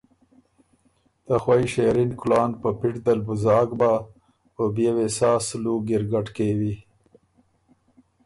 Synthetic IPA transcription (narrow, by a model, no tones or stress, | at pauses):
d̪̥əxwajʃeɾinkʊlɑːnpəpɪʈd̪albʊzɑːɡba | pəbjewesɑːsluɡɪɾɡaʈkewi